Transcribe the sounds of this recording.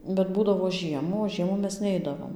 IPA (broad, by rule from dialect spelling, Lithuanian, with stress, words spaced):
bʲɛt ˈbuːdɐʋoː ˈʒʲiɛmuː oː ˈʒʲiɛmuː ˈmʲɛs ˈnʲɛɪdɐʋoːm